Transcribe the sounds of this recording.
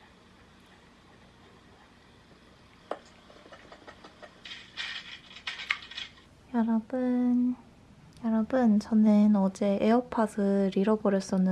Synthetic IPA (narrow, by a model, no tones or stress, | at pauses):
jaɾabɯn | jaɾabɯnt͡ɕʌnenʌd͡ʑe̞ʔeʌpʰasʰɯɾiɾʌbʌɾjʌs͈ʌnːɯ